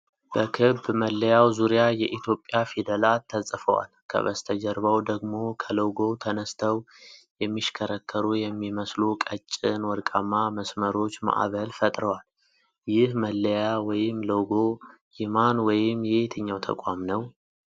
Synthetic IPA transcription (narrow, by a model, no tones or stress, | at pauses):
b̥əkʰɨbːməlːəjawzuɾijajɛʔit̪ʰjo̞pʼːjafid̪əlat̪ʰːəsʼfə̰wa̰lkʰə̰βə̰st̪ʰəd͡ʒəɾβawd̪əɡmo̞kʰələwɡo̞t̪ʰənəst̪ʰəw | jɛmːiʃkʰəɾəkʰːəɾujɛmːiməslukʼət͡ʃʼːɪnwɔɾkʼamːaməsməɾo̞t͡ʃːma̰ʔβəlfət̪ʼɾəwal | jɪhməlːəjawɔjɪmləwɡo | jɪmanwɔjɪmːjɛet̪ʰəɲːawt̪ʰə̰kʼamnəw